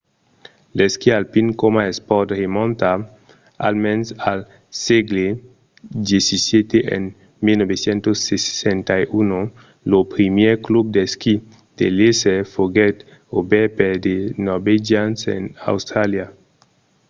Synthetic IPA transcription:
leskialpiŋkomaespɔɾt̪remɔ̃nt̪a | a̰lmɛnsal | siɡle | d̪jesisjet̪eʔḛn | milnobesjent̪osːessent̪ajuno | lopɾimjeɾklub̚d̪eski | d̪̥elesefoɡɛt̪ | obɛped̪enɔɾbed͡ʒjãnsḛna̰wst̪ɾalja

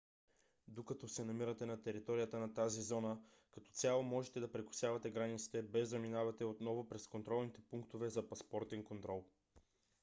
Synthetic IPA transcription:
d̪okɐt̪ɔsɛnɐmiɾət̪ɛnɐt̪ɛɾit̪ɔɾijət̪ənɐt̪azizɔnə | kɐt̪ɔ̥t̪sʲalˠomɔʒɛt̪ɛd̪ɐpɾɛkʊ̥sjavɐt̪ɛɡɾanit̪si̥t̪ɛbɛzɐminavɐt̪ɛot̪nɔvopɾɛskont̪ɾɔlˠnit̪ɛpuŋkt̪ovɛzɐpɐspɔɾt̪ɛŋkont̪ɾɔlˠ

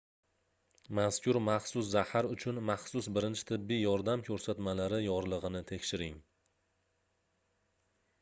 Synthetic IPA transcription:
maskʲʊɾmaχsʊszahaɾʊt͡ʃʰʊnmaχsʊsbɪɾɪnt͡ʃʰɪ̥t̪ʰɪbːijjɒɾd̪amkʲʰɵɾsat̪malaɾɪjɒɾlˠɨʁɨnɪt̪ʰe̞kʲʃɪɾɪŋ

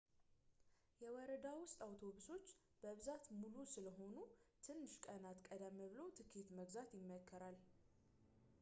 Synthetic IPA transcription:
jɛwɔɾəd̪awʊst̪ʼawt̪ʰo̞βuso̞t͡ʃː | b̥əβzat̪mulusɨləɦo̞nut̪ʰɨnːɨʃkʼənat̪kʼəd̪əmːəβɨlowt̪ʰɨkʰːit̪məɡzat̪jɪmːəkʰːəɾal

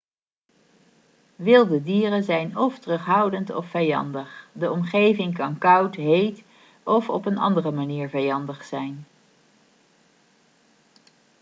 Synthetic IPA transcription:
ʋɪlˠdədiːrənzɛjnɔftrɵχɦʌwdəntɔ̰fːɛjɑ̰ndəχdəɔmχejvɪŋkɑnkʌwtɦejt | ɔfɔpənɑ̰ndərəmaniːɹvɛjɑndəχsɛjn

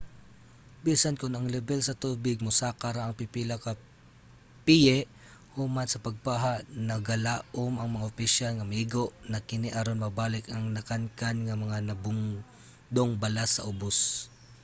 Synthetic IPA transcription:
biːsɐnkʊnɐŋlɛbɛlsɐt̪uːbɪɡ̚mʊsaːkɐɾaʔɐŋpɪpiːlɐkɐ | pijɛʔ | huːmansɐpɐɡ̚paːɦaʔnɐɡɐlaːʔomɐŋmɐŋaʔʊpɪʃalŋɐmiɡoʔnɐkɪniʔɐɾonmɐbaːlɪkɐŋnɐkankanŋɐmɐŋanɐbʊŋ | d̪oŋbɐlasɐʔʊbos

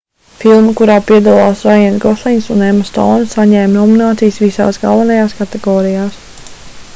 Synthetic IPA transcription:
filˠmikuɾaːpiɛd̪alˠaːsɾajɛnɡɔslˠiɲsunɛmast̪ɔ̰wnssaɲɛːmnɔminaːt̪sijsvisa̰ːsɡa̰lˠvanajaːskat̪ɛɡɔːɾijaːs

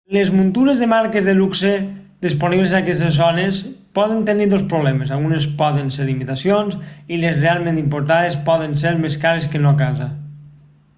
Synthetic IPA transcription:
lezmunt̪uɾezðemaɾkezðeluksed̪isponiβlezaːkɛst̪ezːɔnespɔðənt̪eniðospɾuβlɛmezalˠɣunespɔðenseɾlimit̪asjonzilezrealˠmẽnt̪impoɾt̪aðespɔðenseɾmeskaɾeskenokaza

